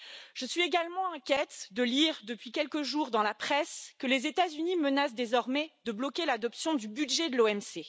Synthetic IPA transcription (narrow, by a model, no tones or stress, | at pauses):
ʒ̥əsɥieɡalmɑ̃ɛ̃kʲjɛt̪d̪əliʁd̪əpɥikʲɛlkəʒuʁd̪ɑ̃lapχɛskəlezet̪azynimənas̬d̪ezɔʁmɛd̪əblɔkʲelad̪ɔpsjɔ̃d̪ybyd̪ʒɛd̪əloɛmse